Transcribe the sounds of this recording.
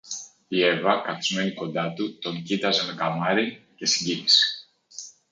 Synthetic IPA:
ievɐkɐt̪izme̞niko̞nd̪ɐt̪ut̪o̞ŋcit̪ɐze̞me̞kɐmɐɾice̞siɲɟinise̥

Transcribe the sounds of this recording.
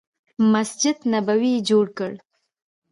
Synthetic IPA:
masd͡ʒɪd̪nabawid͡ʒoɽkəɽ

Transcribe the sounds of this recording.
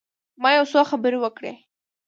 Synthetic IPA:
mɑjawsoxabəɾewəkɽḛ

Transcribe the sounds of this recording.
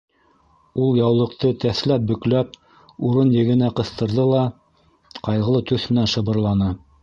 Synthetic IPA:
ulˠjɑwlˠɤ̆qt̪ɤt̪æθlæp̚bɵ̆klæp̚ | uɾɤnjɘ̆ɡɘ̆næqɤ̆θt̪ɤ̆ɾðɤlˠɑ | qɑjʁɤ̆lˠɤt̪ʉθmɘ̆nænʃɤ̆βɤ̆ɾlˠɑnɤ

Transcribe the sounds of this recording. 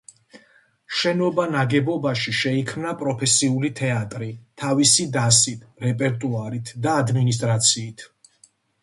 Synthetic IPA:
ʃɛnɔbanaɡɛbɔbaʃiʃɛikʰmnapʼɾɔpʰɛsiulit̪ʰɛat̪ʼɾit̪ʰavisid̪asit̪ʰɾɛpʼɛɾt̪ʼuaɾit̪ʰd̪aːd̪minis̬t̪ʼɾat̪sʰiːt̪ʰ

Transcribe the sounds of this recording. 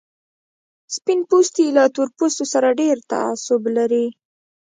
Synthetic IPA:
spɪnpust̪ilat̪uɾpust̪osaɾaɖeɾt̪a̰a̰sʊblaɾi

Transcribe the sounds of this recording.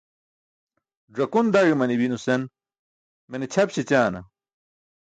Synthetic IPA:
ɖɐkund̪aɻimɐnibinusen | menet͡ɕʰɐpɕit͡ɕaːnɐ̰

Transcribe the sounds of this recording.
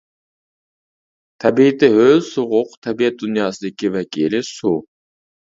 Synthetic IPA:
t̪ʰæbit̪ɪɦøzsuʁʊqt̪ʰæbijɛt̪̚d̪unjɑsɨikʲivækilɪsu

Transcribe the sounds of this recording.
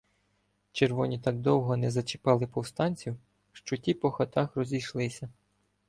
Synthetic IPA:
t͡ʃerʋɔnʲit̪ɑɡ̚d̪ɔwɦɔnɛzɐt͡ʃɪ̥pɑlˠɪpɔwst̪ɑnʲt͡sʲiw | ʃt͡ʃɔtʲipɔxɐt̪ɑxɾɔzʲijʃlˠɪsʲɐ

